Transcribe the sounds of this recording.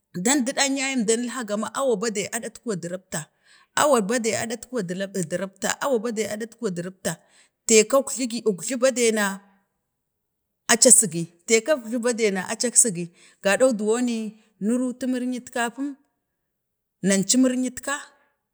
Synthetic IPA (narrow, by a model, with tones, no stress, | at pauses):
da˦ndi˦ɗa˦ɲa˦ji˦mda˦ni˦lɦa˦ɡa˨ma˦ʔa˦wa˨ba˦da˨ʔa˦da˦tku˦wa˨di˨ɾa˦b̚ta˨ | a̰˦wa˨ɾba˦da˨a̰˨da˦tkwa˨da˦˨dɾa˦bta̰˨ʔa˦wa˨ba˦de˨a˨da˦tkwa˨di˨ɾa˦b̚ta˨ | te˨ka˦kɬi˦ɡi˨ʔu˨ɡɮi˦ba˦de˨na˨ | a˦t͡ʃa˦si˨ɡi˨te˨ka˦kɮi˦ba˦de˨na˨ʔa˨t͡ʃa˦ksi˦ɡi˨ | ɡ̥a˨da˦u˦du˨wo˦ni˦ | nu˦ɾu˦tu˦mi˦ɾɲi˦tka˦pu˦m | na˨nt͡ʃi˦mi˦ɾɲi˦tka˦